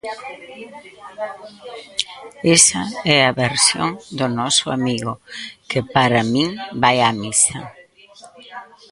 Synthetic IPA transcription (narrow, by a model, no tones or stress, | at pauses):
esɐɛaβeɾsjo̰ŋd̪ʊnɔsʊa̰miɣʊkepaɾamĩŋbajamisɐ̰